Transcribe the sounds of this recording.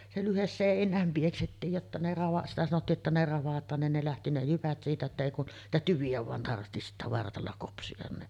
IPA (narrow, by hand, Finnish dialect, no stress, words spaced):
se lyhes seˑinˑæːm pieksetːiːj jotːɑ ne rɑʋɑ sitæ sɑnotːiː ʔetːæ ne rɑʋɑtˑɑːn nin ne læhti ne jyʋæt siːtæ etːæ eˑi kun niːtæ tyʋiæ ʋɑˑen tɑrhti sitːæ ʋɑrtɑlːɑ kopsij̆ɑn ni